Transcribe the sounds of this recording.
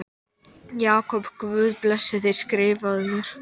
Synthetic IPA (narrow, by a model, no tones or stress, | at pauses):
jaːkʰɔpkvʏːðplɛsːɪθɪjɾ̥skɾɪːvaðʏmjɛɾ̥